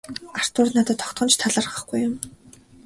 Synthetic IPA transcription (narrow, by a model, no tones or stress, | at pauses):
ar̥t̪ʊːrnat̪ə̆t̪ʰːɔkt̪χɞ̆nt͡ɕt̪ʰaɮə̆rʁə̆χɡujːʊm